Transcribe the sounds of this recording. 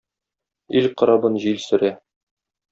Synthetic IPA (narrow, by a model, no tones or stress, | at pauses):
ilqŏɾɑbɤnʑilsɵ̆ɾæ